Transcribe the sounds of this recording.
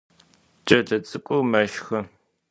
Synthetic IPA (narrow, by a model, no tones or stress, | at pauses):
t͡ʃʼɐɮɐt͡sʼɨkʷʼomɐʃxɐ